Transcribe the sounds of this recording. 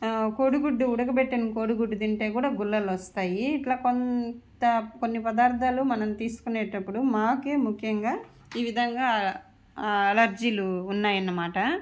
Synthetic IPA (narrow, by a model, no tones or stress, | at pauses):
koːɽuɡuɖːuuɽɐɡɐpeʈːɐnukoːɽuɡuɖːud̪iɳʈe̞ːkuːɽaːɡulːɐlɔst̪aːjiːʈlaːkontt̪ɐkonːipɐd̪aːɾt̪aːlumɐnɐmt̪iːsu̥kuneːʈɐpːuɽumaːke̞ːmukʰːjɐŋɡaː | iːʋid̪ʱɐŋɡaː | elɐɾd͡ʒiːluːnːaːjɐnːɐmaːʈɐ